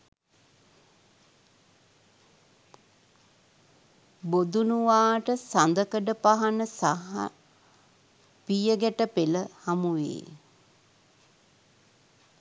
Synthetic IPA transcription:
bod̪unuʋaːʈəsand̪əkəɖəpaɦanəsaɦa̰ | pijəɡæʈəpeləhamuʋḛː

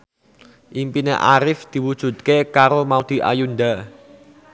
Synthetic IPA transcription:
ʔimpineʔaɾɪfd̪̥i̤wud̥ʒ̥ṳt̪̚kekaɾomaod̪̥i̤ʔa̰junɖ̪a

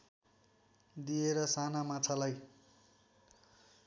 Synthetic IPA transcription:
d̪ieɾʌsanamat͡sʰalaj

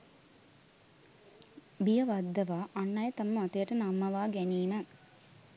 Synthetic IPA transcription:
bijɐʋad̪ːɐʋaːʔːnːɐjət̪ɐməmat̪əjəʈənamːɐʋaːɡæniːmə

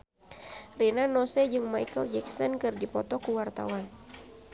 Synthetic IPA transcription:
rinanɔsɛd͡ʒɨŋmajkəld͡ʒɛksɔnkɨrdipɔt̪ɔkuwart̪a̰wan

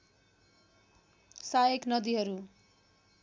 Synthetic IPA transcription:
sajeknʌd̪iɦʌɾu

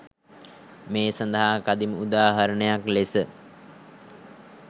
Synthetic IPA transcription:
meːsand̪əɦakad̪iməud̪aːɦaɾəɳəjaklesə

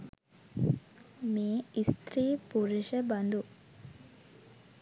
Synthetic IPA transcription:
meːist̪ɾiːpuɾiʃəbɐnd̪u

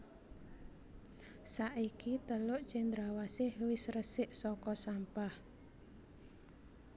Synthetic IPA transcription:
saʔikit̪əlʊʔt͡ʃɛnd̪ɾawasɪhwɪsrəsɪʔsɔkɔsampah

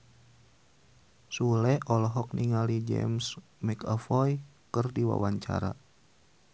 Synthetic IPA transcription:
sulɛʔɔlɔɦɔk̚niŋalid͡ʒɛ̰ms | mɛkafɔjkərdiwa̰waɲt͡ʃa̰ɾa

